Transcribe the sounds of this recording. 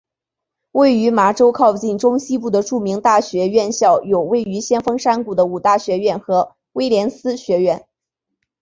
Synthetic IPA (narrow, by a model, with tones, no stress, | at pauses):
we˥˩ɪy˧˥ma˧˥ʈ͡ʂo˥ʊkʰɑ˥˧ʊt͡ɕi˥˩nʈ͡ʂʊ˥ŋɕi˥p̬u˥˩d̪ə˩ʈ͡ʂu˥˩mi˧˥ŋt̪a˥˩ɕɥɛ˧˥ɥɛ˥˧nɕjɑ˥˩ʊjo˨˩ʊwe˥˩ɪy˧˥ɕjɛ˥nfɤ˥ŋʂa˥nku˨˩d̪ə˦u˨˩t̪a˥˩ɕɥɛ˧˥ɥɛ˥˩nxɤ˧˥ | we˥ɪljɛ˧˥nsɹ̩˥ɕɥɛ˧˥ɥɛ˥˩n